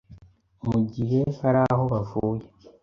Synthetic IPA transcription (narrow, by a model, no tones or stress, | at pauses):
oɟiɾehaɾaho̞βafuːje